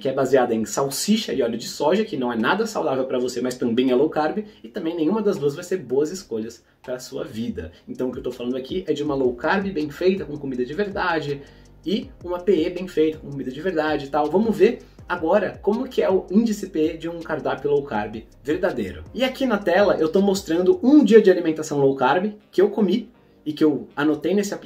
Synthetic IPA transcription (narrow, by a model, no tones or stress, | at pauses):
kɪɛbaziad̪ɐẽj̃sawsiʃɐɪɔʎʊd͡ʒɪsɔʒɐkɪnɐ̃w̃ɛnad̪ɐsawd̪avewpɾɐvosemɐst̪ɐ̃mbẽj̃ɛlowkaɾbɪɪt̪ɐ̃mbẽj̃nẽj̃ũmɐd̪ɐzd̪uɐzvajseɾboɐzɪskoʎɐs | pɾɐːsuɐ̰vid̪ɐ̰ẽnt̪ɐ̃w̃ʊkewt̪owfalɐ̃nd̪ʊakʰiʔɛd͡ʒɪũmɐlowkaɾbɪbẽj̃fejt̪ɐkõkomid̪ɐd͡ʒɪveɾd̪ad͡ʒɪ | ɪũmɐpeebẽj̃fejt̪ɐkõkomid̪ɐd͡ʒɪveɾd̪ad͡ʒɪt̪awvɐ̃mʊveɾ | aɡɔɾɐkõmʊkɪɛʊĩd͡ʒɪsɪpeed͡ʒɪũkaɾd̪apɪlowkaɾbɪ | veɾd̪ad̪ejɾʊ̰ɪakinɐt̪ɛlɐʔewt̪omost̪ɾɐ̃nd̪ʊʔũd͡ʒiɐd͡ʒɪalimẽnt̪asɐ̃w̃lowkaɾbɪkɪewkomi | ɪkɪewanot̪ejnesɪap